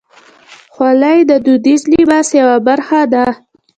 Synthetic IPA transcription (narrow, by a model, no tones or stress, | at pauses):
xwalajd̪əd̪ud̪izlibasjawabaɾxad̪a